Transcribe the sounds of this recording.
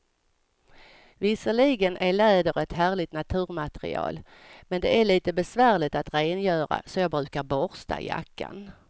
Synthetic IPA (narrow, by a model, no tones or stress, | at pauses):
vɪsəɭiːɡənʔæɭɛːd̪əɾɛt̪ɦæːɭɪt̪nat̪ʰʉ̟ːɾmat̪ɾɪ̰ɑ̰ːl | mɛnd̪ɛæɭiːt̪əbɛsvæːɾɭɪt̪at̪ɾeːnjœːɾa̰sɔjɑːɡbɾʉ̟ːkaɾbɔɾst̪a̰ja̰kːa̰n